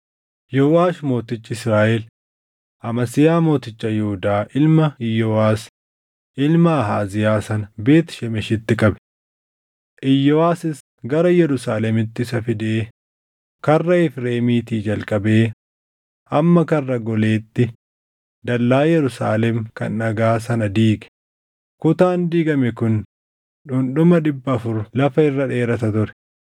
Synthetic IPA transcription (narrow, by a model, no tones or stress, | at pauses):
jɔʊwaːʃmo̞ːt̪ɪt͡ʃʼːɪɪsɾaːʔɛl | ʔɐmɐsɪjaːmo̞ːt̪ɪt͡ʃːɐjɛhʊd̪aːʔɪlmɐɪjːɔaːs | ʔɪlmɐːɦaːzɪjaːsɐnbe̞ːt̪ʃɛmɛʃɪt̪ːɪkʼɐbɛ̥ | ʔɪjːɔaːsɪs | ɡɐɾɐjɛɾʊsaːlɛmɪt̪ːɪsɐfɪd̪eː | kɐrːɐɪfɾe̞ːmiːt̪iːd͡ʒɐlkʼɐbe̞ː | ʔɐmːɐkɐrːɐɡɔle̞ːt̪ːɪ | d̪ɐlːaːjɛɾʊsa̰ːlɛmkɐ̰nːɐɡaːs̬ɐnɐd̪iːkʼɛ̥ | kʊt̪aːnd̪iːɡɐmɛkʊn | ᶑʊnɗʊmɐᶑɪbːɐɐfʊɾlɐfɐɪrːɐᶑe̞ːɾɐt̪ɐt̪ʊɾɛ̥